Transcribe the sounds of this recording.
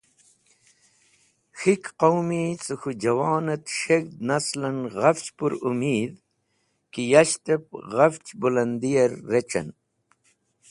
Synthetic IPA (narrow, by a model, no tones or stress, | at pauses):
xikqowmit͡sɨxud͡ʑɐwɑːnɐt̪ʂek̚d̪naslɐnɣɐft͡ɕpuɾumiːd̪ | kijaɕt̪ep̚ɣɐft͡ɕbulɐnd̪ijɐɾːet͡ɕɐ̰n